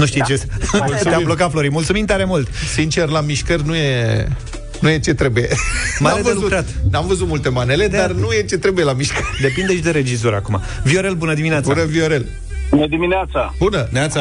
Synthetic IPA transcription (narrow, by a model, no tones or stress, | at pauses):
nuʃt̪it͡ʃesmulst̪eaiblokat̪flo̞ɾimult̪sumint̪aɾemult̪sint͡ʃe̞rlamiʃkərʲnuje̞ | nuje̞t͡ʃe̞t̪ɾe̞buje̞avəzluut̪ɾat̪namvəzut̪mult̪e̞mane̞le̞d̪arnuje̞t͡ʃe̞t̪ɾe̞bujelamiʃkərʲd̪e̞pind̪eʃd̪e̞ɾe̞d͡ʒizoɾʲa̰kuma̰ | vio̞ɾe̞lbunəd̪imineat̪b̪suanəvioɾe̞l | unəd̪imineat̪sabunənat̪sa